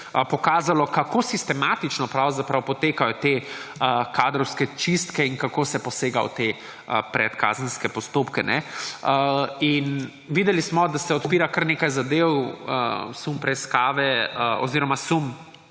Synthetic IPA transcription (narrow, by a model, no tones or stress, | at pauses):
pɔkaːzalɔkakosist̪ɛmat̪it͡ʃnɔpɾawzapɾawpɔt̪eːkajɔt̪eəkaːd̪ɾɔwskɛt͡ʃist̪kɛiŋkakoːsɛpɔseːɡaɔ̰t̪e | əpɾɛt̪ka̰ːzənskɛpɔst̪oːpkɛnɛəin | ʋid̪ɛlismɔd̪asɛɔt̪piːɾakəɾneːkajzad̪ewə̰sumpɾɛiskaːʋɛɔ̰ziːɾɔmasum